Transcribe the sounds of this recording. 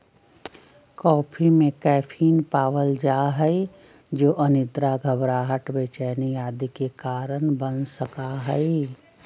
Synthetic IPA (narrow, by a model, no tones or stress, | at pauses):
kɔːpʰimẽkɛːpʰiːnpaːʋəld͡ʒaːɦɛi | d͡ʒoːʔɐnɪd̪ɾaɡʱəbɾaːɦəʈbeːt͡ʃɛːnijaːd̪ikekaːɾənbənsəkaɦɛi